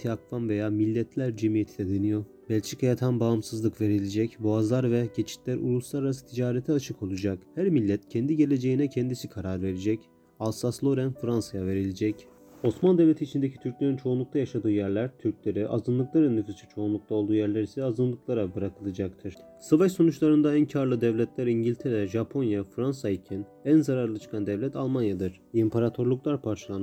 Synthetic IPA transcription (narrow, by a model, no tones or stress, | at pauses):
t̪ʰiakvanve̞jaːmilʲːɛt̪ʰlʲæɾd͡ʒemijet̪ʰid̪ɛd̪enijo̞ɾ | bɛlʲt͡ʃʰikʰajat̪ʰanbaɯmsɯzlˠɯkve̞ɾilʲed͡ʒɛcboazlˠaɾvɛɟe̞t͡ʃʰi̥t̪lʲæɾʔṵlˠuslˠaɾaɾasɯ̥t̪ʰid͡ʒaːɾɛt̪ʰɛat͡ʃʰɯkʰo̞lˠud͡ʒakhæɾmilʲːɛt̪cʰɛnd̪iɟe̞lʲed͡ʒe̞jinɛcʰɛnd̪isikʰaɾaɾve̞ɾed͡ʒɛc | alˠsaslˠo̞ɾænfɾansajave̞ɾilʲed͡ʒɛc | o̞smand̪eɛvlʲe̞t̪ʰiːt͡ʃʰind̪e̞cʰi̥t̪ʰyɾcʲlʲeɾint͡ʃʰo̞unlˠuk̚t̪ʰajaʃad̪ɯːjæɾlʲæɾt̪ʰyɾclʲe̞ɾiʔazɯnlˠɯklˠaɾɯnːɯfɯst͡ʃʰɯ̥t͡ʃʰo̞unlˠukt̪ao̞lˠd̪uːjæɾlʲæɾisɛazɯnlˠɯklˠaɾabɯɾakʰɯlˠɯd͡ʒak̚t̪ʰɯɾ̥ | savaʃso̞nut͡ʃlˠaɾɯnd̪aæncʰaɾlˠɯd̪ɛvlʲɛt̪lʲæɾiɲɟilʲt̪ʰeɾɛʒapʰo̞njafɾansaicʰæn | ænzaɾaɾlˠɯt͡ʃʰɯ̥kʰand̪ɛvlʲɛt̪ʰalˠmanjad̪ɯɾ̥impʰaɾat̪ʰo̞ɾlˠuklˠaɾpʰaɾt͡ʃʰalˠan